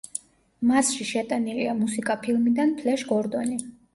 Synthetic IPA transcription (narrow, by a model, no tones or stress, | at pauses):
masʃiʃɛt̪ʼaniliamusikʼapʰilˠmid̪anpʰlɛʃɡɔɾd̪ɔni